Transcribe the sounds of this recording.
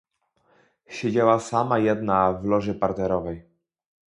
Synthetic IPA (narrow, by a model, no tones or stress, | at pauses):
ɕed͡ʑawasamajɛd̪navlɔʐɘpaɾt̪ɛɾɔvɛj